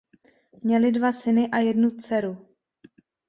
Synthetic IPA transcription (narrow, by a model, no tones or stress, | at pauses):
mɲɛlɪdvasɪnɪʔajɛdnut͡sɛɾu